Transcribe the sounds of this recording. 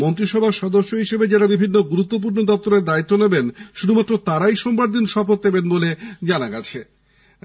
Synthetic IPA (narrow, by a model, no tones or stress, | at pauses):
ont̪ɾiʃɔbʱaɾʃɔd̪oʃːoɦiʃebed͡ʑaɾabibʱinːoɡuɾut̪ːop̬uɾnod̪ɔp̚t̪oɾeɾd̪ait̪ːonebenʃud̪ʱumat̪ːɾot̪aɾajʃɔmbaɾd̪inʃɔpot̪̚d̪ebenboled͡ʑanaɡat͡ɕʰe